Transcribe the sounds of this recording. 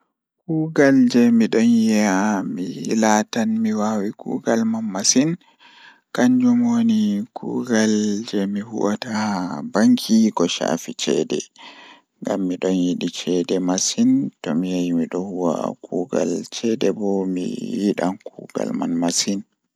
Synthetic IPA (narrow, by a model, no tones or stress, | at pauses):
kuːɡald͡ʒɛmiɗɔnjiamilatanmiwawikṵːɡalmanmasin | kaɲd͡ʒumonikʰṵːɡald͡ʒɛmihṵʔatabaŋkʰiɡɔʃa̰fit͡ʃɛ̰dɛ̰ | ŋɡamːiɗɔnjiɗit͡ʃɛdɛmasintɔmijajmiɗɔhuwa̰kuɡa̰lt͡ʃɛdɛbɔmḭjiɗankʰuɡa̰lma̰nmasin